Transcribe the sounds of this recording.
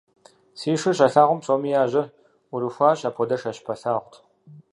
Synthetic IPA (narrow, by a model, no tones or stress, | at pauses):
siːʂɨɕaɬaːʁʷʊmt͡sʼomijaːʑɐ | uɾɨxʷaːɕaːpʰɔdɐʂaɕpʰɐɬaːʁʷtʰ